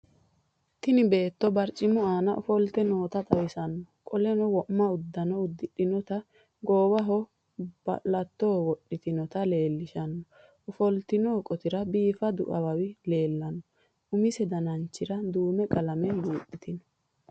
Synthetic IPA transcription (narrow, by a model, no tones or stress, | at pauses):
t̪ɪnɪbe̞ːt̪ːɔbɐɾt͡ʃʼːɪmʊaːnɐʔʊfɔlt̪ɛnoːt̪ɐt̪ʼɐwɪsɐnːɔkʼɔlɛnɔwɔʔmːɐʊd̪ːɐnɔʊd̪ːɪɗɪnɔt̪ɐ | ɡoːwɐɦɔ | b̥ɐ̰ʔlɐt̪ːoːwɔɗːɪt̪ɪnɔt̪ɐle̞ːlːɪʃɐnːɔ | ʔʊfɔlt̪ɪnoːkʼɔt̪ɪɾɐbiːfɐd̪ʊ̰ʔɐwɐwɪle̞ːlːɐnːɔ | ʊmɪsɛd̪ɐnɐnt͡ʃːɪɾɐd̪uːmɛkʼɐlɐmɛluːt̪ʼːɪt̪ɪnɔ̥